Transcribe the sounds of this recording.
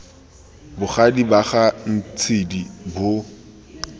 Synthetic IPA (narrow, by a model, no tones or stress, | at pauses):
bʊχadibaχan̩t͡sʰɪdibʊ